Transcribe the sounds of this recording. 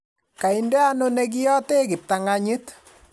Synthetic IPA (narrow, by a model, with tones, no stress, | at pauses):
ka˨indɛ˦a˦no˦ne˦k̬i˦jɔ˦te˦kɪ˨p̚ta˨ŋa˦ɲi˦t